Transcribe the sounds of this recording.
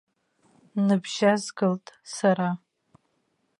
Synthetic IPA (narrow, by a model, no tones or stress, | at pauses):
nɨbʒazɡɨltʼsaɾa